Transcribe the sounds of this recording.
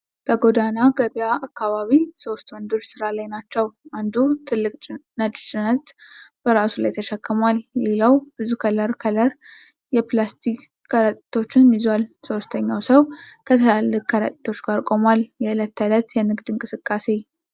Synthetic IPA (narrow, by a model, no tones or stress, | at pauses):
b̥əɡo̞d̪anaɡəβijaakːaβaβiso̞st̪wɔnd̪o̞t͡ʃːsɨɾalajnat͡ʃːɛwʔand̪ut̪ʰɨlːɨkʼnət͡ʃʼːt͡ʃʼɪnət̪b̥əɾasulajt̪ʰəʃəkʰːəmʷalːeləwb̥ɨzukʰələɾkʰələɾ | jɛplast̪ʰik | kʰːəɾət̪ʼt̪ʰo̞t͡ʃːɪnmizwalso̞st̪ʰəɲːawsəwkʰət̪ʰəlalːɨkʼkʰəɾə̰t̪ʼi̥t̪ʰo̞t͡ʃːɡaɾkʼo̞mwaljɛɨlət̪ːələt̪jɛnɨɡd̪ɨŋkʼɨsɨkʼːase̞